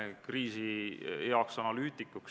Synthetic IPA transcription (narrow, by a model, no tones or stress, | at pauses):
kriːsijɑksɑnɑlyːt̪ˑikːuk